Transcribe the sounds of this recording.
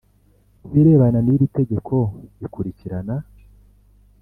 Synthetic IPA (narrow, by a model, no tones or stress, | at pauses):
iɾe̞ːβananiɾite̞ɟekʰo̞ikuɾiciɾana